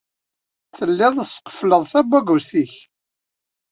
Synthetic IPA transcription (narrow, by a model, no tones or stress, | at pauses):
θəlːɪðˤəsqə̥fləðˤθæbæɡusθiç